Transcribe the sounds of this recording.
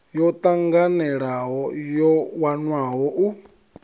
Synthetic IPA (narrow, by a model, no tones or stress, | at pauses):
jɔt̪ʼaŋɡanɛɺaɦɔjɔwanwaɦɔʔu